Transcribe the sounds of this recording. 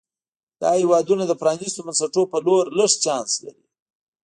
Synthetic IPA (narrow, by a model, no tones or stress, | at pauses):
d̪̥ɑ̰hewɑd̪unad̪əpɾɑnist̪omansaʈopəloɾləʂt͡ʃɑnsla̰ɾi